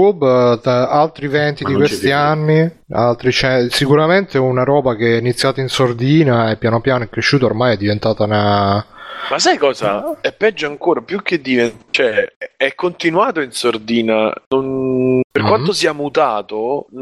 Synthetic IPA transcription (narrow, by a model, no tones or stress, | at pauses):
ub | alt̪ɾivɛnt̪id̪ikkwest̪ianːi | alt̪ɾit͡ʃɛsikuɾament̪eunaɾɔːbak̟eɛinit̪sːjaːt̪ainsord̪iːnaɛpːjaːnopjaːnoɛkːɾeʃːuːt̪ormajɛd̪ːivent̪aːt̪ana | masːajkɔːza̰ɛpːɛd͡ʒːoaŋkoːɾapjuk̟ːed̪ːivet͡ʃɛɛkːont̪inwaːt̪oinsord̪iːna̰nonperkwant̪osiːamut̪aːt̪o